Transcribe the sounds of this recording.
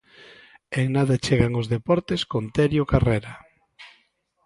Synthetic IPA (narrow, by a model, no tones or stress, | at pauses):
eŋnaðat͡ʃeɣaŋʊzðepɔɾt̪eskont̪eɾjokareɾa